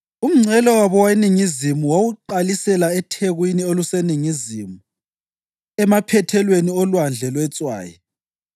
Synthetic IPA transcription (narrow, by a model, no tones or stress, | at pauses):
um̩ŋ͡ǀɛlɔwaβɔwaeniŋizimuwawuǃalisɛlaɛtʰeɣwinioluseniŋizimu | ɛmapʰɛtʰɛlweniɔlwand͡ɮʱɛlwɛt͡sʼwa̰ːjɛ̰